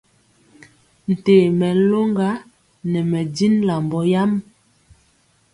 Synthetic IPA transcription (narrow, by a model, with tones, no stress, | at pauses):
n̩˨te˨mɛ˨lo˦ŋɡa˦ | nɛ˨mɛ˨di˦nla˨mbɔ˦ja˦m